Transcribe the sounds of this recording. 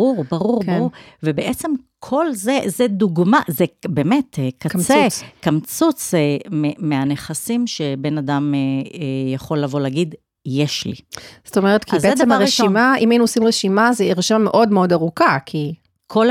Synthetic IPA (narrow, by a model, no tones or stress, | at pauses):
uʁbaʁuʁkbuʁvebeʔet͡semkʰo̞lzezed̪uɡmazebeːmetekakt͡skamt͡sut͡sememeaneχasimʃebe̞nadameejaχo̞lːavo̞leːɡid | jeʃlḭz̥tomeʁet̪kizeedemaʁeʃimaimainuosimʁeʃimazeeʁʃanmeʔo̞dmeo̞daʁukakʰi | kʰol